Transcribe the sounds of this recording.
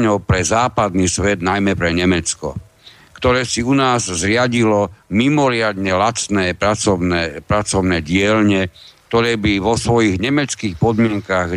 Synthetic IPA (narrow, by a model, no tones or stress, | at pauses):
ɲɔʊpɾɛzaːpad̪niːsʋɛd̪najmɛpɾɛɲɛmɛt͡skɔ̰ | kt̪ɔɾɛːsiunaːzzɾɪaɟilɔmimɔɾɪad̪ɲɛlat͡snɛːpɾat͡sɔnɛpɾat͡sɔʊnɛːɟɪɛlɲɛk̚t̪ɔɾɛːbiʋɔsʋɔjiɣɲɛmɛt͡skiːxpɔd̪mɪɛŋkaɣ